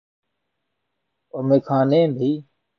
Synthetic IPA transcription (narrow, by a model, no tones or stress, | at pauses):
omeːkʰãːnẽːbʱiː